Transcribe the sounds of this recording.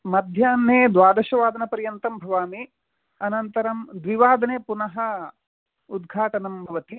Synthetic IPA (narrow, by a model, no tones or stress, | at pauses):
mɐd̪ʱjaːnːeːd̪ʋaːd̪ɐʃɐʋaːd̪ɐnɐpɐɾjɐnt̪ɐmbʱɐʋaːmi | ɐnɐnt̪ɐɾɐmd̪ʋiʋaːd̪ɐneːpunɐɦɐ | ud̪ɡʱaːʈɐnɐmbʱɐʋɐt̪i